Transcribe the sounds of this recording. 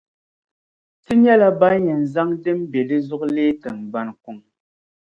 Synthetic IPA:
ti˦ɲ˦ɛ˦la˦ba˦ɲɛ˨n̩˨za˦ŋde˦m˦be˨li˦zɔ˦kle˦tɛ˨ŋ˨ba˦nku˨ŋ

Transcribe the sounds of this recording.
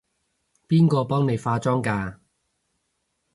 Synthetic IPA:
piː˥nkɔː˧pɔː˥ŋne˨˧jfaː˧t͡sɔː˥ŋkaː˧

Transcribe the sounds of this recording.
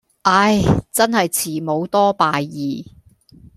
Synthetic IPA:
ʔa˧˥jt͡sɐ˥nhɐ˨jt͡sʰiː˨˩mo˨˧wt̪ɔː˥paː˨jːiː˨

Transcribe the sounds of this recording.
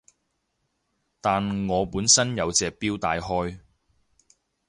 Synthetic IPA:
t̪aː˨nŋɔː˨˧puː˨˥nsɐ˥njɐ˨˧wt͡sɛː˨k̚piː˥wt̪aː˨˧jɦɔː˥j

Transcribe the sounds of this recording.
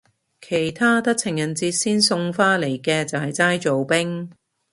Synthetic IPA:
kʰe˨˩jt̪ʰaː˥t̪ɐ˥k̚t͡sʰɪ˨˩ŋjɐ˨˩nt͡siː˧t̚siː˥nsʊ˧ŋfaː˥le˨˩jkɛː˧t͡sɐ˨whɐ˨jt͡saː˥jt͡so˨wpɪ˥ŋ

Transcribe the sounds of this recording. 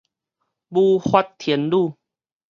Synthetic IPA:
buː˧˩hwa˧t̚t̪ʰːi˨˩˦ənluː˥˧˨

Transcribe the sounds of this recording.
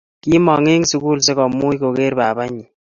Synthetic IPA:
ki˦mɔ˨ŋe˦ŋsu˦ku˦lse˦kɔ˨mu˦jko˨ke˦ɾba˨ba˦ɲi˨

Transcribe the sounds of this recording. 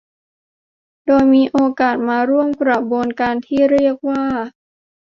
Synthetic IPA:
doː˧jmiː˧ʔoː˧kaː˨˩t̪̚maː˧ɾu˥˩əmkɾa˨˩boː˧nka˧nt̪ʰiː˥˩ɾi˥˩ək̚waː˥˩

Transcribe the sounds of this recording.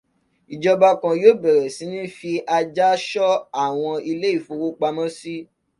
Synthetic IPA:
i˨d͡ʒɔ˧ba˧kã˨˧joː˦˨bɛ˨ɾɛ˨si˨˦nĩ˦fi˧ʔa˧d͡ʒa˦ʃɔ˦a˦˨w̃ɔ̃˧i˧le˦i˦˨fo˨˧wo˦k͡pa˧mɔ̃˦si˦

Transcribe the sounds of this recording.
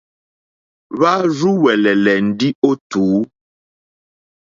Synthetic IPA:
βa˦ɾu˦wɛ˨lɛ˨lɛ˨n̩˨di˦o˦tuː˨˦

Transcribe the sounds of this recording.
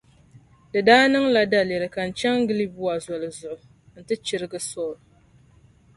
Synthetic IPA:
dɨ˨daː˦nɨ˦ŋla˨da˨le˨ɾɨ˨ka˨n̩˨t͡ʃɛ˦ŋɡɨ˦li˦bu˦wa˨zɔ˨lɨ˨zʊ˨ʔʊ˨ | n̩˦tɨ˦t͡ʃɪ˦ɾɨ˦ɡɨ˦sɔː˦˨l

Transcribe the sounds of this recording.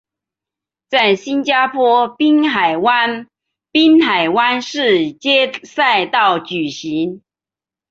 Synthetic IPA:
t͡sa˥˩ɪɕi˥nt͡ɕja˥pʰwɔ˥pi˥nxa˨˩ɪwa˦n | pi˥nxa˨˩ɪwa˥nʂɻ̩˥˩t͡ɕjɛ˥sa˥˧ɪt̪ɑ˥˩ʊt͡ɕy˨˩ɕi˨˦˥ŋ

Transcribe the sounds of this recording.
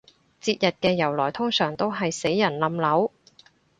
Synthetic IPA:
t͡siː˧t̚jɐ˨t̚kɛː˧jɐ˨˩wlɔː˨˩jt̪ʰʊ˥ŋsœː˨˩ŋt̪o˥wɦɐ˨jse˨˥jːɐ˨˩nlɐ˨˥mlɐ˨˥w

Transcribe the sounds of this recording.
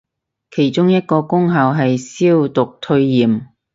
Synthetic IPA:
kʰe˨˩jt͡ʃʊ˥ŋjɐ˥t̚kɔː˧kʊ˥ŋɦɐ˨wɦɐ˨jsiː˥wt̪ʊ˨k̚t̪ʰɵ˧ɥjiː˨˩m

